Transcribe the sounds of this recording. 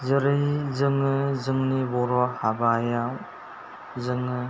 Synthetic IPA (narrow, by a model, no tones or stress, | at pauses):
zɯɾɯjzɯŋɯzɯŋnibɔɾɔhabajaw | zɯŋɯ